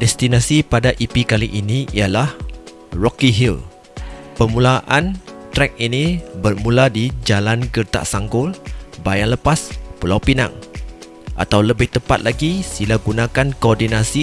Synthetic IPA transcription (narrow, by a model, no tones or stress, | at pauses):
dɛst̪inasipadaʔipikaliʔiniialah | rɔkiɦil | pəmũlaʔant̪ɾɛk̚inibərmuladid͡ʒalanɡərt̪a̰ʔsaŋɡʊlbajaŋləpaspulawpina̰ŋ | ʔa̰t̪awləbɪht̪əpa̰t̪̚lʔaɡisilaɡunãkankoɔrdinasi